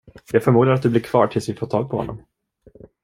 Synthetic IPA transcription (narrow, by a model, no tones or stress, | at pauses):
jɑːɡfœɾmuːd̪aɾat̪̚d̪ɵblɪɾkʰvɑːʈʰɪlsvɪfoːt̪ʰɑːɡ̚pʰɔhɔ̰nːɔ̰m